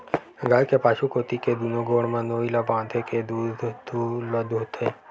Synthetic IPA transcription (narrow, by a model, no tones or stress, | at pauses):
ɡalkepaːʃukoːt̪iked̪unõɡoːɽmãnoːilabãːd̪ʰeked̪ud̪d̪ulod̪ut̪ʰe